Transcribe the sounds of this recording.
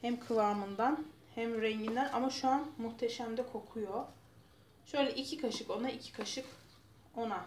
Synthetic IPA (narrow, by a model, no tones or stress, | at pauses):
hɛmkʰɯvaːmɯnd̪an | hæmɾɛɲɟind̪æna̰maʃuanmuxt̪ʰeʃæmd̪ɛkʰo̞kʰujo | ʃø̞jlʲɛʔicʰikʰaʃɯko̞naicʰi̥kʰaʃɯk | o̞na